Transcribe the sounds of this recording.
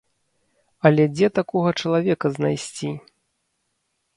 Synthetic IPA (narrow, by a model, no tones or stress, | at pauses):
ɐlʲɛd͡zʲɛt̪akɔɣɐt͡ʂɐlˠavʲɛkɐznajsʲt͡sʲi